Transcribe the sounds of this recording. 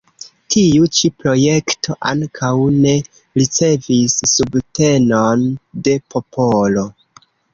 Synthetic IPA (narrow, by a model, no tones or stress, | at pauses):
tʰiut͡ʃipɾo̞je̞ktʰo̞ʔa̰ŋkʰawne̞ | ɾit͡se̞visːubte̞nonde̞po̞polo̞